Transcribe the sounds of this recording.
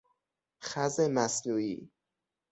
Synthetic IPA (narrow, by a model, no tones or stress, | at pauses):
xæzemæsnuːḭː